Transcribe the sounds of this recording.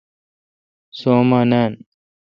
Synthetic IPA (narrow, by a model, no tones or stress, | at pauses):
soːmaːnaːn